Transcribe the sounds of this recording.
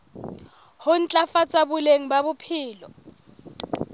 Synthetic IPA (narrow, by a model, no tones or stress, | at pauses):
hʊn̩t͡ɬʼafat͡sʼabʊleŋ̩baβʊpʰiːlɔ